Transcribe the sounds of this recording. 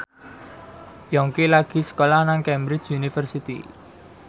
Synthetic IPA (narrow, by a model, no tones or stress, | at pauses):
jɔŋkilaɡ̥i̤sə̥kolahnaŋkɛmbɾɪt͡ʃunifərsit̪ḭ